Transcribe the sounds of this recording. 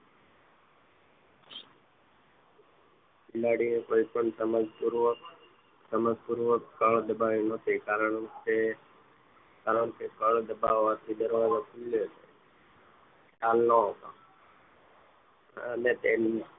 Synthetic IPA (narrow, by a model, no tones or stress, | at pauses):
kɪlaɽiẽkoːipəɳsəməd͡ʒpuɾʋək | səməd͡ʒpuɾʋəkːəɭd̪əbaːʋĩnət̪ʰiːkaːɾəɳse | kaːɾəɳsekəɭd̪əbaʋat̪ʰiɗ̪əɾʋãnõkɪloːt͡ʃʰe | ʈaːlnoɦot̪a̰ | net̪en